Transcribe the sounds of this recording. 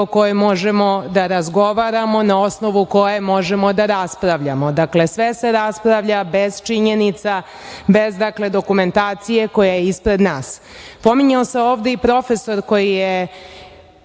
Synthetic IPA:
oko̞jemo̞ʒemo̞d̪aɾazɡo̞ʋaɾamo̞nao̞sno̞ʋuko̞jemo̞ʒemo̞d̪aɾaspɾaʋʎamo̞d̪akle̞sʋe̞se̞ɾaspɾaʋʎabe̞z̥t͡ʃiɲe̞nit̪sa | be̞zd̪akle̞d̪o̞kume̞nt̪aːt̪sije̞ko̞jajeispɾe̞d̪naːs | po̞miɲaoseoːʋd̪eipɾo̞fe̞so̞ɾko̞jije

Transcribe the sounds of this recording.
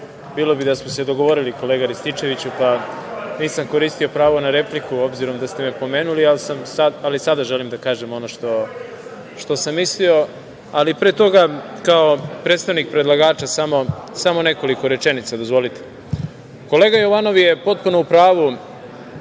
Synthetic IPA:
biːlˠo̞bid̪asmosed̪o̞ɡo̞ʋo̞ɾiliko̞leːɡaɾist̪it͡ʃe̞ʋit͡ɕupaniːsamko̞ɾiːst̪iopɾaːʋo̞naɾe̞plikuo̞bziɾo̞md̪ast̪e̞me̞po̞me̞ːnulialsamsaalisad̪aʒelimd̪akaːʒe̞mo̞noʃt̪o̞ | ʃt̪o̞samːislio̞ | alipɾet̪o̞ɡakao̞pɾet̪st̪aʋnik̚pɾe̞d̪lˠaɡaːt͡ʃasamo̞samo̞ne̞ko̞liko̞ɾe̞t͡ʃe̞nit̪sad̪o̞zʋo̞lit̪e̥ | ko̞leɡajo̞ʋano̞ʋje̞po̞t̪̚punoupɾaːʋu

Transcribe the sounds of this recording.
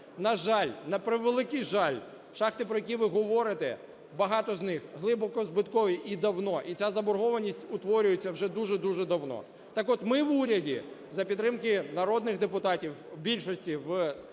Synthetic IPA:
nɐʒɑlʲnɐpɾɪʋelˠɪkɪjʒɑlʲ | ʃɑxt̪ɪpɾɔjɐk̬ʲiʋɪɦɔʋɔɾɪt̪ɛ̰ | bɐɦɑt̪ɔznɪxɦlˠɪbɔkɔzbɪt̪kɔʋʲiʔid̪ɐwnɔʔit͡sʲazɐbɔɾɦɔʋɐnʲisʲtʲʊt̪ʋɔɾʲʊjet͡sʲːɐwʒɛd̪uʒɛd̪uʒɛd̪ɐwnɔ̰ | t̪ɑkɔt̪mɪʋuɾʲɐdʲizɐpʲid̪ːɾɪmkɪnɐɾɔd̪nɪxd̪epʊt̪ɑtʲiwbʲilʲʃɔsʲtʲiʋ

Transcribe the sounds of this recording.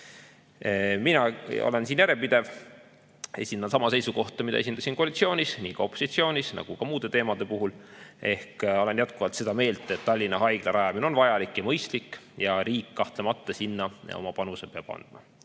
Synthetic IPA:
minɑo̰le̞nsiːnjæɾepid̪̥e̞v | e̞sʲind̪̥ɑnsɑmɑse̞jsuko̞ht̪ˑɑmid̪ɑ̰e̞s̬ʲind̪̥ɑsinko̞ɑlʲit̪sio̞ːnʲisniːkɑo̞pːˑosit̪sio̞ːnʲisnɑ̰ɡ̥ukɑmuːd̪̥e̞t̪e̞ːmɑd̪̥e̞puɦulʔe̞hko̞le̞njæt̪kuvɑlt̪se̞d̪̥ɑme̞ːlt̪ːˑet̪ːɑlʲːinːɑɦɑjɡ̥lɑɾʔɑjɑmino̞nvɑjɑlikːjɑmɤjst̪likːˑjɑɾiːkːɑht̪lemɑt̪ːɑsinːɑɑ̰o̞̰mɑpɑnusepeɑb̥ɑ̰nd̪̥mɑ

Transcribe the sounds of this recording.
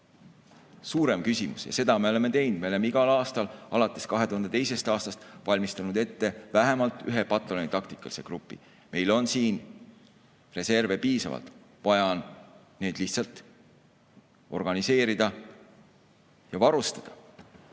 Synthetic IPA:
suːɾe̞mkysʲimṵsjɑ̰se̞d̪̥ɑme̞o̞leme̞t̪e̞jnd̪̥me̞ole̞meiɡ̥ɑlɑːst̪ɑlɑlɑt̪ːˑe̞skɑɦet̪uhɑnd̪e̞t̪e̞jse̞st̪ɑːst̪ɑst̪vɑlʲmist̪ɑnud̪e̞t̪ːe̞væɦemɑlt̪ːˑyɦe̞pɑt̪ːˑolonit̪ɑkt̪i̥kːˑɑli̥seɡ̥rupˑːḭ | me̞jlo̞nsiːn | re̞se̞rve̞piːsɑ̰vɑ̰lt̪ˑ | vɑjɑnː | e̞ːd̪̥liçht̪sɑlt̪ˑ | ʔo̞rɡ̥ɑnise̞ːɾid̪̥ɑ | jɑvɑɾust̪ɑ̥d̪̥ɑ

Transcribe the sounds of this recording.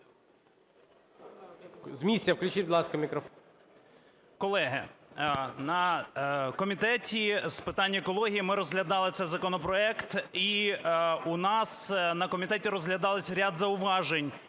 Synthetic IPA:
zmʲisʲɐwklʲʉt͡ʃibʊd̪lˠɑskɐmʲikɾɔf | kɔlˠɛɦɪ | nɐ | kɔmʲit̪ɛtʲispɪt̪ɑnʲːɐekɔlˠɔɦʲijimɪɾɔzɦlʲɐd̪ɑlˠɪt̪sɛjzɐkɔnɔpɾɔɛkt̪i | unɑsnɐkɔmʲit̪ɛtʲiɾɔzɦlʲɐd̪ɑlˠɪsʲɾʲad̪zɐʊʋɑʒenʲ

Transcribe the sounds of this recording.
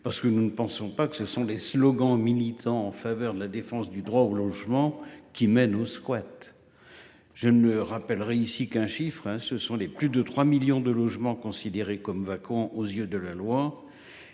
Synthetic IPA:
paʁsə̥kənunəpɑ̃sɔ̃pakə̥səsɔ̃leslɔɡɑ̃milit̪ʰɑ̃ɑ̃favœʁd̪əlad̪efɑ̃sd̪yd̪ʁwaolɔʒmɑ̃kʲimɛnoskwat̪ | ʒ̥ənəʁapɛlʁeysikɛ̃ʃifχɛ̃səsɔ̃leplyd̪ət̪χwamiljɔ̃d̪əlɔʒmɑ̃kɔ̃sid̪eʁekɔmvakɑ̃ʔozjød̪əlalwa

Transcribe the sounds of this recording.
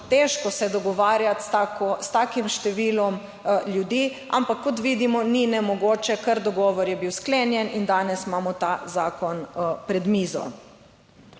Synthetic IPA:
t̪eʃkɔsɛd̪ɔɡɔʋaːɾjat̪akɔst̪aːkimʃt̪ɛʋiːlɔm | ljud̪iːʔa̰mpakːɔt̪ʋiːd̪imɔninɛmɔɡoːt͡ʃɛkəɾd̪ɔɡɔːʋɔɾjɛbiwskleːnjɛnind̪aːnɛsmaːmɔt̪azaːkɔnpɾɛd̪miːzɔ̰

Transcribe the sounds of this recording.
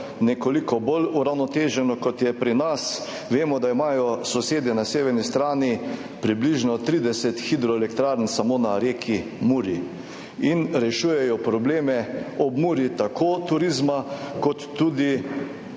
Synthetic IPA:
nɛkolikɔboluɾawnɔt̪eːʒɛnɔkɔt̪jɛpɾinas | ʋeːmɔd̪aimaːjɔsɔseːd̪ɛnaseːʋɛɾnist̪ɾaːni | pɾibliʒnɔt̪ɾiːd̪ɛsɛt̪xid̪ɾɔɛlɛkt̪ɾaːɾnsamonaɾeːkʰimuːɾi | inɾɛʃuːjɛjɔpɾɔbleːmɛɔbmuːɾit̪akʰoːt̪uɾizmakɔt̪ːuːd̪i

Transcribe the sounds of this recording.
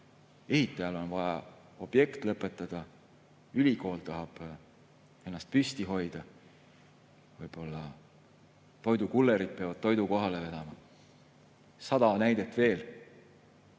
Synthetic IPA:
e̞hit̪ˑːɑjɑlo̞nvɑjɑ | o̞b̥je̞kt̪lɤpːˑe̞t̪ːˑɑd̪̥ɑ | ylʲiko̞ːlt̪ɑɦɑb̥ | e̞nːɑst̪̚pyst̪iɦo̞jd̪̥ɑ | vɤjb̥o̞lːɑ | t̪o̞jd̪ukulːeɾid̪̥̚peɑvɑd̥̪̚t̪o̞jd̪uko̞ɦɑleve̞d̪̥ɑmɑ | sɑd̪̥ɑnæjd̪̥e̞t̪ːˑve̞ːl

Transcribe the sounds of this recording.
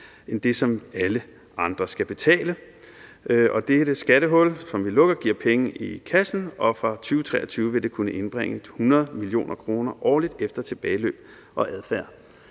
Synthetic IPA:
end̥e̝sɒ̽mælə | ɑ̈nd̥ʁɐsɡ̥æb̥e̝t͡sʰɛ̰ːlə | ʔɒ̽d̥eɾ̥əsɡ̥æɾəɦɔ̽lsɒ̽mʋilɔ̽ɡ̥ɐɡ̥iɐ̰pʰeŋəikʰæsn̩ɒ̽fʁɑ̈t͡sʰyːʊət͡sʰʁɛːɐt͡sʰyːʊʋe̝d̥e̝kʰunəʔe̝nb̥ʁɛŋ̰ə̥hunɐð̩ˠmilio̝̰ːnɐkʰʁo̝ːnɐʔɒ̰ːlid̥efd̥ɐt͡sʰe̝b̥ɛːɪlø̰ːb̥̚ | ʔɒ̽ʔæðˠfæɐ̰

